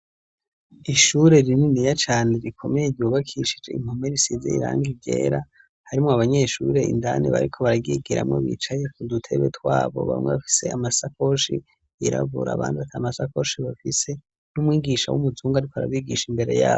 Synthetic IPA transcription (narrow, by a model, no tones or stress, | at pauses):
iʃuɾe̞ɾininijat͡ʃaːne̞ɾikʰo̞mejeɟjuβakʰiʃi̥d͡ʒe̞̰ḭm̥home̞ɾisizḛiɾa̰ːŋɡiɟe̞̰ːɾa | haɾimŋoaβaɲe̞ʃṵɾe̞ḭndanḭβa̰ɾikʰo̞βaɾaɡiɡiɾa̰mŋo̰βḭt͡ʃajekudutʰe̞βe̞twaːβo̞̰βa̰mweβafi̥se̞amasako̞ʃḭ | iɾa̰βuɾa̰βa̰ːnzatʰamasako̞ʃiβafise̞ | numŋiːɡiʃawṵmuzuːŋɡaɾikoaɾa̰βiɡiʃimbe̞ɾe̞̰ja̰ːβo